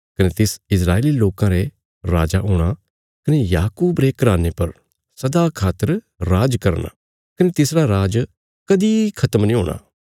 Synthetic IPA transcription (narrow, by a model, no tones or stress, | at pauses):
kɐneːt̪ɪsɪsɾaːeliloːkãɾe | ɾaːd͡ʒaʔɦʊːɽ̃a | kɐnejaːkuːbɾekɾaːnepɐɾ | sɐd̪aːkʰaːt̪əɾ | ɾaːd͡ʒkɐɾna̰ː | kɐneːt̪ɪsɾaɾaːd͡ʒ | kɐd̪iːkʰɐt̪əmnĩːɦoːɽ̃a̰ː